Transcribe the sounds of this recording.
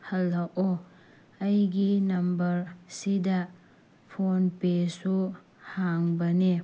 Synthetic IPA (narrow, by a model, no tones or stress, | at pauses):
hɐlːɐwʔo | ɐjɡinɐmbɐɾsidɐ | pʰonpesu | haŋbɐne